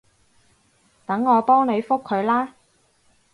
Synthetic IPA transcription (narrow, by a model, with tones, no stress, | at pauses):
t̪ɐ˨˥ŋːɔː˨˧pɔː˥ŋne˨˧jfʊ˥kʰːɵ˨˧ɥlaː˥